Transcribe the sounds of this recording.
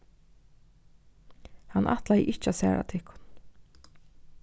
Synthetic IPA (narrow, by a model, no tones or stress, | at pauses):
hanʔa̰ht̪lajʔɪht͡ʃasɛ̰ːɹʔa̰t̪ʰɪhkʰʊ̥n